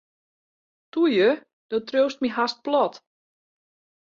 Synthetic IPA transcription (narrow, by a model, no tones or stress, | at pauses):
tujə | d̥ɔtrøːst̚miɦast̚plɔt